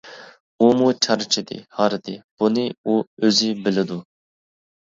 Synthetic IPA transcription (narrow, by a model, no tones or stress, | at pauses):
umut͡ʃʰɑɾt͡ʃʰid̪ɪ̰hɑɾɨd̪ɪb̥unɨuøzɪbɪlɪd̪u